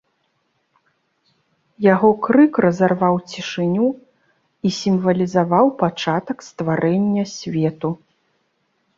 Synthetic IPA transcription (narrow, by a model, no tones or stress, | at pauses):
jaɣɔkɾɨkrɐzarvawt͡sʲiʂɨnʲu | isʲimvɐlʲizavawpat͡ʂat̪ɐkst̪vaɾɛnʲːɐsʲvʲɛt̪u